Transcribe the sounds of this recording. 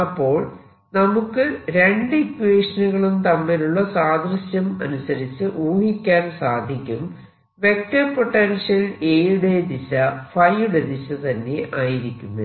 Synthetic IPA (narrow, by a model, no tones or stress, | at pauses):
ɐpːo̞ːɭ | nɐmukːɨɾe̞ɳɖɨkːʋeːʂɐnɐɣɐɭunt̪ɐmːɐluɭːɐsaːd̪rɐɕjɐmɐ̰nusɐɾit͡ɕːɨʔuːhikʲːaːnsaːd̪ʱikʲːum | ʋe̞k̚ʈ̪ɐpo̞ʈːenʂjɐleːɽed̪iɕɐfɐjuɽed̪iɕɐt̪ɐnːe̞ʔaːjiɾikʲːunːu